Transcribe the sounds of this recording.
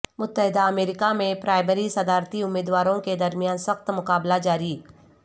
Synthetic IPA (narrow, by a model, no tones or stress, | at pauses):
mʊt̪ːəɦɪd̪aɐmeːɾɪkamẽpɾaːɪməɾisɐd̪aːɾt̪iʊmːiːd̪waːɾõked̪ɐɾmijaːnsɐxt̪mʊkaːblad͡ʒaːɾiː